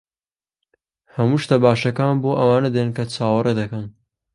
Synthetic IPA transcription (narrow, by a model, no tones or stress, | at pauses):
hɐmuʃt̪abaːʃɐkaːnboːʔɐwaːnɐd̪enkɐt͡sʰaːwɐɾʔed̪ɐkɐn